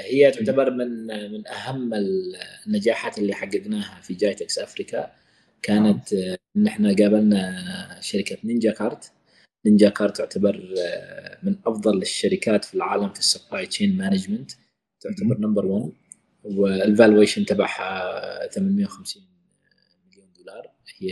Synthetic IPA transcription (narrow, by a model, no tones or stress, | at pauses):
hɪjːat̪ʊʕt̪abɑɾˤmɪnmɪnʔahamːɪlnːad͡ʒaːħaːt̪ɪlːiħaɡːad̪naːhafid͡ʒaːjt̪aksʔafɾika | kaːnat̪ʔɪnːɪħnaɡaːbalnaʃaɾɪkat̪nɪnd͡ʒakɑɾˤt̪ | nɪnd͡ʒaːkɑːɾˤt̪ːʊʕt̪ʰabɑɾˤ | mɪnʔɑfðˤɑlɪʃːaɾɪkaːt̪filʕaːlamkḁsːʊpɾˤaːjt͡ʃeːnmanad͡ʒmant̪ | t̪ːɪʕt̪abɑɾˤnambɑɾˤwan | wɪɪlvalweːʃɪnt̪aba̰ħaθamanmɪjːawxamsiːn | mɪljoːnd̪uːlɑːɾˤ | hɪ